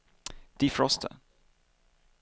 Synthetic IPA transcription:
d̪̥ifɹɔst̪ʰə̰

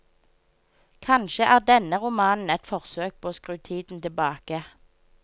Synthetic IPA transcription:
kʰɑnʃəʔæːʁd̪ɛnəʁʊmɑːnn̩ɛt̪fɔʁsøːk̚pʰoːoːskʁʉːt̪ʰiːd̪n̩t̪ɪbɑːkə

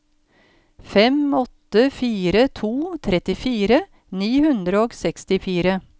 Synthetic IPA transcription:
fɛmɔt̪əfiːɾət̪ʰuːt̪ʰɾɛt̪ɪfiːɾə | niːhʉnd̪ɾəoːɡsɛkst̪ɪfiːɾə

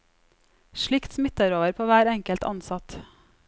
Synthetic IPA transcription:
ʃɭɪkt̪smɪt̪ɑɾoːʋəɾpʰoːʋæːɾɛŋkəlt̪ʰɑ̰nsɑt̪

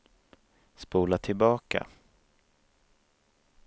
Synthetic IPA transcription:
spuːlat̪ʰɪlbɑːka̰

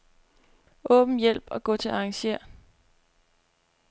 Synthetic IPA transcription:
ʔɔ̽ːb̥n̩jel̰b̥ɒ̽ɡ̥ɔ̰̽ːt͡sʰe̝lɑ̈ŋɕe̝ɐ̰

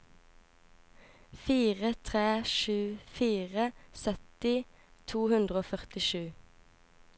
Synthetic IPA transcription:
fiːʁət̪ʰʁeːʃʉːfiːʁəsœt̪ɪ | t̪ʰuːhʉnd̪ʁəoːfœʁt̪ɪʃʉː

